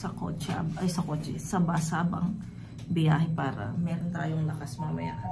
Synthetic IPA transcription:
sɐko̰ːt͡ʃa̰bʔɐjsɐkoːt͡ʃɛsɐbasaːbɐ̰ŋ | bɪjaːhɪpaːɾɐ̰mɛːɾo̞nt̪aːjoŋlɐkasmɐɐmɐ̰ja̰ʔ

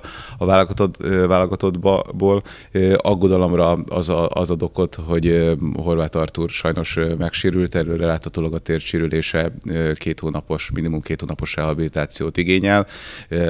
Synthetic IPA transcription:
ɒvaːlɡɒt̪ovaːlɒɡɒt̪o̞d̪boːl | ɒɡːo̞d̪ɒlo̞mrɒɒ̰zɒɒ̰zɒd̪o̞ko̞t̪ɦo̞ɟɦo̞rvaːt̪ɒrt̪uːrʃɒjno̞ʃmɛkʃeːɾylt̪ɛrøːrɛlaːt̪hɒt̪oːlɒɡɒt̪eːrt͡ʃiɾyleːʃɛkeːt̪hoːnɒpo̞ʃminimumkeːt̪hoːnɒpo̞ʃrɛɦɒbilit̪aːt̪sijoːt̪iɡeːɲɛl

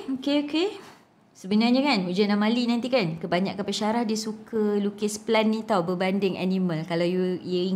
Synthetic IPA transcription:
okeoke | səbənarɲakanud͡ʒanlamalinant̪ikankəbaɲa̰kːapəʃaɾahdiəsukəlukɪsplanːit̪awbəbandɪŋa̰niməlkalawjujəi

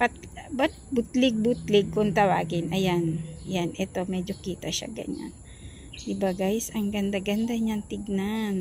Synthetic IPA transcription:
pat̪̚bat̪̚bʊt̪lɪɡ̚bʊt̪lɪɡ̚kʊnt̪ɐwa̰ːɡɪnʔɐjanjanʔɛt̪o̞mɛːd͡ʒokiːt̪ɐʃa̰ɡɐ̰ɲa̰n | ʔɪbaɡajsɐŋɡɐnd̪aɡɐnd̪aɲant̪ɪɡ̚nan

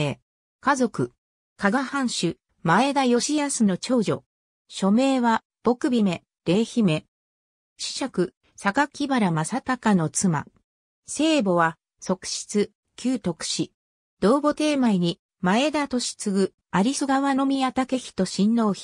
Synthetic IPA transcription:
e | kazo̞kɯ̟ | kaɡahãɰ̃ɕɨ | mae̞d̪ajo̞ɕiasɨno̞t͡ɕo̞ːʑo̞̰ | ɕo̞me̞ːβa | b̥o̞kɯ̟bʲime̞ | d̪̥e̞ːçime̞ | ɕi̥ɕakɯ̟ | sakakʲibaɾamasat̪akano̞t͡sɨma̰ | se̞ːbo̞βa | so̞kɯ̟̥ɕi̥t͡sɨ | kʲɨːt̪o̞kɯ̟̥ɕi | d̪̥o̞ːbo̞t̪e̞ːmaiɲ̟i | mae̞d̪at̪o̞ɕi̥t͡sɨɡɯ̟ | aɾʲisɨɡaβano̞mʲiat̪ake̞çʲi̥t̪o̞ɕĩnːo̞ːçi̥

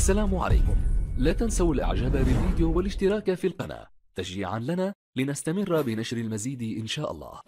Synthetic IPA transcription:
ʔʔasːalaːmʕa̰la̰jkʊmlaːt̪ansawalʔa̰ʕd͡ʒaːbabɪlviːd̪ɪjuwalɪʃt̪ɪɾˤɑːkafiːlqɑna̰ː | t̪aʃḭːʕa̰nlanaː | lɪnast̪amɪrːbɪnaʃɾalmaziːd̪ʔɪnʃaːʔɑ̰lˤːɑ̰ːh

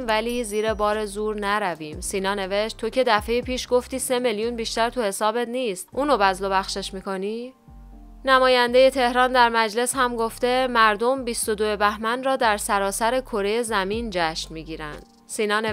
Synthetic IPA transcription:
væliːziːɾe̞bɒːɾezuːɾnæɾæviːmsiːnɒːne̞ve̞ʃt̪t̪ʰo̞cʰe̞d̪æfe̞jepʰiːʃɡo̞ft̪iːse̞meljuːnbiːʃt̪æɾt̪ʰuhe̞sɒːbe̞t̪niːst̪ʔuːnobæzlo̞bæxʃe̞ʃmiːkʰo̞niː | næmɒːjænd̪e̞je̞t̪ʰe̞hɾɒːnd̪æɾmæd͡ʒle̞shæmɡo̞ft̪e̞mæɾd̪o̞mbist̪o̞d̪oe̞bæhmænrɒːd̪æɾsæɾɒːsæɾe̞kʰo̞ɾe̞jezæmiːnd͡ʒæʃnmiːɟiːɾæ̰nd̪̥̚ | siːnɒːne

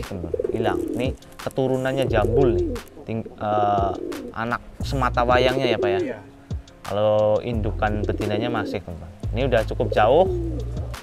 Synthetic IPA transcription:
kəmt̪ʊḭla̰ŋni | kət̪uɾunanɲad͡ʒambʊlnɪht̪iŋə | ʔa̰nak̚səmat̪awajaŋɲajapaja | ka̰loḭndukanpət̪inaɲamasɪhkəmt̪ʊnniudaht͡ʃukʊp̚d͡ʒaʊh

